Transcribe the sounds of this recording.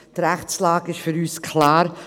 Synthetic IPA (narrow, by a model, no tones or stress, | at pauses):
d̥ɾɛχt͡slaːkɪʃfʏɾyːskʰlaːɾ